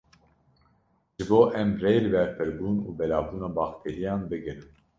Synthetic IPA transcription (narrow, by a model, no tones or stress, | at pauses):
ʒ̥ɨboːʔɛmreːjlɨbɛɾpɨɾbuːnuːbɛlɑːvbuːnɑːbɑːxt̪ʰeːɾijɑːnbɨɡɨɾɨm